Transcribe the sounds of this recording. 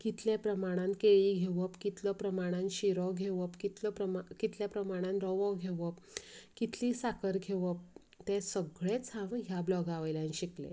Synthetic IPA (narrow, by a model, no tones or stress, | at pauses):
kit̪ʰljepɾəmaɽ̃ãn̚keɭiɡʱeʋəpkit̪ʰlɔpɾəmaɽ̃ãnɕiɾɔɡʱeʋəpkit̪ʰləpɾəmkit̪ʰljapɾəmaɽ̃ãnɾɔʋɔɡʱeʋəp | kit̪ʰlisakəɾɡʱeʋəp̚ | t̪esəɡɭet͡shãʋɦjablɔɡaʋəjlãniɕiklḛ